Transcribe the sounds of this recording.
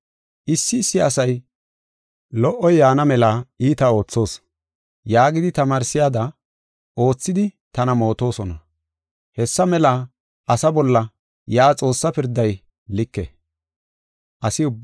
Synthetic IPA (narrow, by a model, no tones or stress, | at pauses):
ʔɪsːɪːsːɪɐsɐj | lɔʔːɔjːaːnɐmɛlaːiːt̪ɐo̞ːt͡sːo̞ːs | jaːɡɪd̪ɪt̪ɐmaːɾsːɪjaːd̪ɐ | o̞ːt͡sːɪd̪ɪt̪ɐnɐmo̞ːt̪o̞ːsɔnɐ | hɛsːɐmɛla | ʔɐsɐbɔlːɐ | jaːt͡sʼo̞ːsːɐpɪɾd̪ːɐj | lɪkːɛ̰ | ʔɐsɪʊbː